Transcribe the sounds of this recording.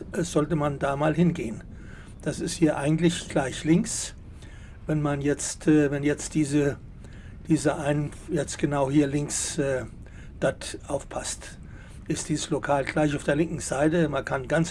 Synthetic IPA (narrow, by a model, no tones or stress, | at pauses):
ʔɛz̥ɔltəmandaːmaːlhɪnɡeːən | d̥asɪsthiːɐʔa̰ɪɡŋ̩tlɪçɡ̥laɪçlɪŋks | vɛnmanjɛt͡stɛːvɛnjɛt͡std̥iːzə | d̥iːzəʔaɪn | jɛt͡stɡ̥ənaʊhiːɐlɪŋksɛː | d̥atʔaʊfpʰast | ʔɪstd̥iːzəslokʰaːlɡ̥laɪçaʊfd̥eːɐlɪŋkŋ̩z̥aɪtəmankʰanɡant͡s